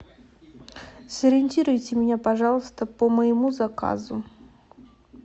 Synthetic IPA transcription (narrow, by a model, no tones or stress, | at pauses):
səɾʲɪnʲtʲiɾʊjtʲɪmʲɪnʲapɐʐɑlˠəst̪əpəməjɪmuzɐka̰zʊ